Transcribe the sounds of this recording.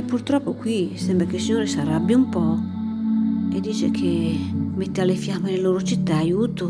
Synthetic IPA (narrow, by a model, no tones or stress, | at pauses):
ɛpːurt̪ɾɔpːʊkwisɛmbɾakelsiɲoːɾɪsarabːjaumpɔ | ed̪ːiːt͡ʃek̟ʰemet̪ːealɪfjamːelɪloːɾʊt͡ʃit̪ːaːjuːt̪ʊ